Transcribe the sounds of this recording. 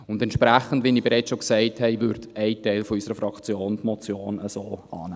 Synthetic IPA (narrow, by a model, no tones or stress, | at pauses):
ʊndɛntʃpɾæχən̩dʋinibɛɾɛɪt͡sʃoksɛɪthɛɪʋʏɾdɛɪtɛɪlfɔysəɾəfɾɑkt͡sjoːntmɔt͡sjoːnəsoːɑ̰ːnæː